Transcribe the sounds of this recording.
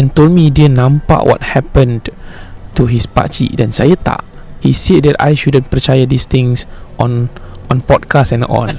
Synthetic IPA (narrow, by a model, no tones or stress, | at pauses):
ɛ̃ntoldmidiənãmpa̰ʔwʔɔ̰t̚hɛpə̃n | tuɦispa̰t͡ʃḭʔdɛ̃nsajət̪a̰ʔ | hised̚dɛta̰jʃudə̃npət͡ʃajədist̪ĩŋsʔɔ̃nʔɔ̃npɔt̚kasɛ̃nɔ̰l